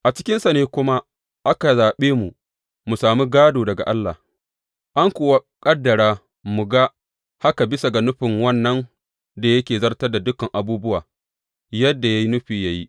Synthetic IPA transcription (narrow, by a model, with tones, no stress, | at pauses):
ʔa˨t͡ʃɪ̥˦kʲɪ˦nsa˨neː˦kʷʊ˦ma˦ | ʔa˦ka˨zaː˨ɓeː˦mu˨ | mu˨saː˨mi˦ɡaː˦doː˨dɐ˨ɡa̰˨ʔa˦lːa̰˨ | ʔa˦ŋkʷoː˨wa˦kʼɐ˦dːɐ˨ɽaː˦ | mu˨ɡa˦ | ha˦ka˨bɪ˦sa˨ɡa˨nʊ˦ɸɪ˨ŋwɐ˦˨nːɐ˦n | da˨jɐ˦kʲeː˨zɐ˦rtɐ˦rda˨dʊ˦kɐ˨ŋʔa˨buː˦bʊ˦waː˨ | jɐ˦dːa˨ja˦ji˦nʊ˦ɸiː˨ja˦ji˦ʔ